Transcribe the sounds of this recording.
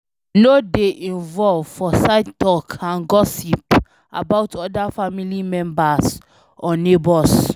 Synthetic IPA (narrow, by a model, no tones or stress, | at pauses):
nodeʔĩnvɔlvfɔsaɪtɔkʰãnɡɔsip | a̰baʊtʰɔdafamilimɛ̃mbas | ɔnebɔs